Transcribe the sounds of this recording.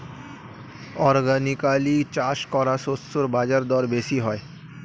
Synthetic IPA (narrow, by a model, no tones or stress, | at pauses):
ɔɾɡanikalit͡ɕaʃkɔɾasosːoɾbad͡ʑaɾd̪ɔɾbesiɦɔe